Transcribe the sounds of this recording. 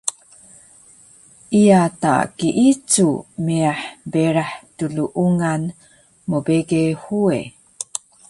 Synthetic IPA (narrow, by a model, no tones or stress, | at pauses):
ʔijata̰kiʔit͡sumiaħbeɾaħtuɮuʔuŋan | mobeɡehue